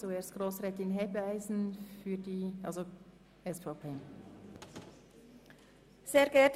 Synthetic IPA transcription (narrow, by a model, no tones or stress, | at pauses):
t͡sueːstɡ̥ʁoːsʁɛːtɪnɦɛbaɪzn̩fyːdiːʔɑlzo | ʔɛsfɑʊpʰeː | z̥eːɾɡɛt